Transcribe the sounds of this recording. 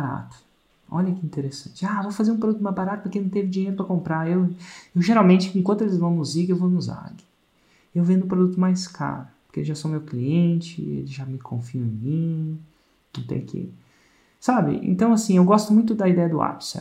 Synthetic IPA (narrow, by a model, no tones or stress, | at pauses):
baɾa̰t̪ʊ̥ | ɔʎɐkɪĩnt̪eɾesɐ̰̃t͡ʃɪavowfazeɾũp̬ɾod̪ut̪ʊmajzbaɾat̪ʊpʊɾkenɐ̃w̃t̪evɪd͡ʒiɲejɾʊpɾɐkõmpɾaewewʒeɾawmẽnt͡ʃɪẽkwɐ̃t̪ʊelɪzvɐ̃w̃nʊziɡewvonʊza̰ɡɪ | ewvẽnd̪ʊũpɾod̪ut̪ʊmajskʰa̰ɾʊpʊɾkeeʒasomewkliẽt͡ʃɪ̰ḛlɪʒamɪkʰõ̰fiɐẽmĩ | nɐ̃w̃t̪ḛ̃kʰḛ | sabɪ̰ḛ̃nt̪ɐ̃w̃asĩewɡɔst̪ʊmũj̃t̪ʊd̪ɐid̪ɛjɐd̪ʊa̰psɛ̰